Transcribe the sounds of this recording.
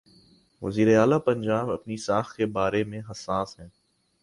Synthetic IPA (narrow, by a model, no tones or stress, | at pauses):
ʋɐ̰ziːɾeaːlapɐ̃ɲd͡ʒaːbɐpnisaːxkebaːɾemẽɦɐsaːsɦɛ̃ː